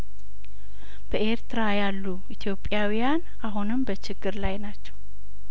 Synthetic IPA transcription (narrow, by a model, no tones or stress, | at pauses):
b̥əʔe̞ɾt̪ɨɾajalːu | it̪ʰjo̞pʼːjawijan | aɦunɨmbət͡ʃɪɡːɨɾlajnat͡ʃːɛw